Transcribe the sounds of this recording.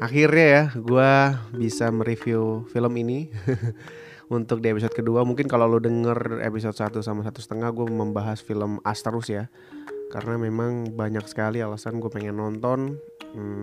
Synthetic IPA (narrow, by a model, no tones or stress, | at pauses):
ʔaxirɲajaɡuabisaməɾifjufiləmini | unt̪ʊk̚diepis̬ɔd̪̚kəduamuŋkɪnkalolodəŋərḛpis̬ɔt̪̚sat̪usamasat̪usə̥t̪əŋahɡuaməmbaɦasfiləma̰st̪əɾʊsja | ka̰rənamemaŋbaɲaksə̥kalialasanɡuapaŋɛnːɔnt̪ɔn̩